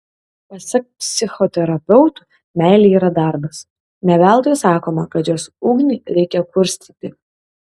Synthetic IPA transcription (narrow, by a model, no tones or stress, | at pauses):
pɐsʲɛk̚pʲsʲɪxɔt̪ʲɛɾɐpʲɛʊt̪u̥ | mʲæˑɪlʲiiːɾɐd̪ɑˑɾbɐs | nʲɛʋʲælˠt̪ojɛsɑːkoːmɐkɐt̪joːsuːɡnʲɪɾʲɛɪkʲɛkʊɾʲsʲt̪ʲit̪ʲɪ